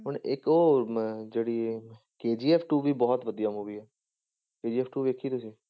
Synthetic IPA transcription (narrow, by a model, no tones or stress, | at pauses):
ɦʊɳɪkoːd͡ʒeːɽiː | keːd͡ʒiːɛːpʰʈuːʋiːbɔːt̪ʋəd̪ijaːmuːʋiːɛː | keːd͡ʒiːɛːpʰʈuːʋeːkʰːiːt̪ʊsĩː